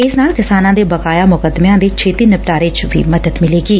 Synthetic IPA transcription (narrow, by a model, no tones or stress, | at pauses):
ɪsnaːlkɪsaːnãːd̪ebɐkaːjamʊkəd̪meãd̪et͡ʃʰeːt̪iːnɐp̚ʈaːɾeːt͡ʃbʱḭmɐd̪əd̪mɪleːɡiː